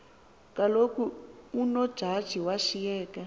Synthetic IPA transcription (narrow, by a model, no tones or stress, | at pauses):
kalokuunɔ̥ʒ̥ʱad̥ʒ̥ʱiwaʃijɛːka